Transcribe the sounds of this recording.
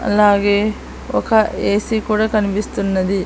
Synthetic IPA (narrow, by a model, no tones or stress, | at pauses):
ɐ̰lːaːɡeː | ɔ̰kɐeːsikuːɽɐkɐnibist̪unːɐd̪i